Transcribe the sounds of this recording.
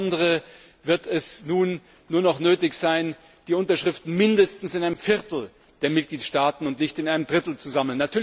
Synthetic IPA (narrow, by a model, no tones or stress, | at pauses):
ndəʁə | vɪɐtʰɛsnuːnː | uːɐnɔχnøːtɪçz̥aɪn | d̥iːʊntɐʃʁ̥ɪftn̩mɪndəstn̩sɪnʔaɪnəmfɪʁtl̩ | d̥eːɐmɪt̚ɡ̥liːtʃtaːtn̩ʊntnɪçtɪnʔaɪnəmdʁɪtl̩t͡suzaml̩nːatʰyːɐ